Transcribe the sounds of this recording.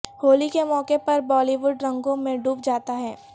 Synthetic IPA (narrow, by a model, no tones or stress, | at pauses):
hoːlikemɔːkepɐɾbɔːliʋʊɖɾɐ̃ŋɡõmẽɖuːp̚d͡ʒaːt̪aɦɛː